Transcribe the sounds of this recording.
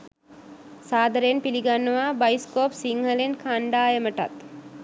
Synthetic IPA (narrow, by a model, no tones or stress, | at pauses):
saːd̪əɾəjenpiliɡanːuʋaːbajskoːpsiŋhəlenkʰaɳɖaːjeməʈa̰t̪